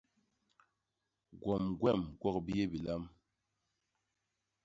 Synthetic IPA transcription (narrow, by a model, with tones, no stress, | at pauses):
ɡwɔ˨mɡwɛ˦˨mɡwɔ˦˨k̚bi˦je˦bi˨la˦m